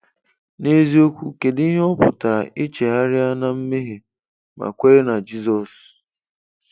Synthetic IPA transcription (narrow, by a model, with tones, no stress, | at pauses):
ne˦zi˦o˦kʷu˦ke˨di˦ɦe˦ɔ˦pʊ̰˨ta˨ɾa̰˨ʔɪ˦t͡ʃe˨ɦa˦ɾɪ˦a˦na˦m̩˦me˦ɦe˨ | ma̰˨kʷe˦ɾe˦na˨d͡ʒi˦zɔ˨s